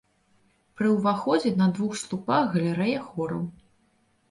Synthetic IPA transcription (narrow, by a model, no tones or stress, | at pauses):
pɾɨwvaxɔd͡zʲɛnɐd̪vuxslˠupaxɣɐlʲɛɾɛjɐxɔɾɐw